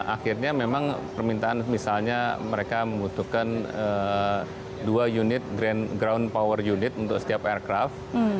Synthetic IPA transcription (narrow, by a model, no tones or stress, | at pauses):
ʔa̰xirɲamemaŋpərmint̪aanmisalɲaməɾekaməmbut̪uhkanə | duajunɪt̪̚ɡɾɛnɡɾawnpawərjunɪt̪unt̪ʊksə̥t̪iap̚ɛrkɾaft̪